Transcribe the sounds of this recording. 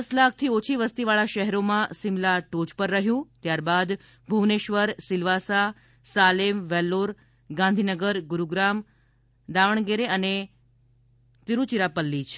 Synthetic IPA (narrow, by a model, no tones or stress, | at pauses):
slakʰt̪ʰiot͡ʃʰiʋəst̪iʋaɭaʃəɦɛɾomãsimlaʈod͡ʒpəɾːəɦjũt̪jaɾbad̪ | bʱuʋneʃʋəɾsilʋasa | salemʋɛlːoɾ | ɡãnd̪ʱinəɡəɾɡuɾuɡɾam | d̪aʋəɳ̃ɡeɾeəne | t̪iɾut͡ʃiɾapəlːit͡ʃʰ